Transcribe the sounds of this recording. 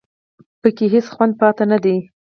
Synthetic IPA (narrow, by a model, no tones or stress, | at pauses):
pəkeɦesxwand̪̚pɑt̪anad̪e